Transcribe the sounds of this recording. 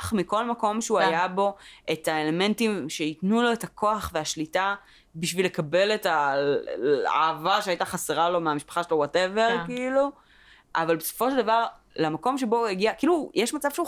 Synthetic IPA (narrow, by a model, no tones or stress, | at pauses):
χmiko̞lmako̞mʃeuajabo̞etaele̞me̞ntimʃeitnulo̞etakʰo̞aχveaʃlita | biʃvile̞kabe̞leta | a̰ːvaʃeajtaχaseʁalo̞meamiʃpḁχaʃelowoteveʁkiilu | ʔavalbeso̥foʃeldavaʁ | lamako̞mʃeboeɡiakiiːlujeʃmat͡sav̥ʃeu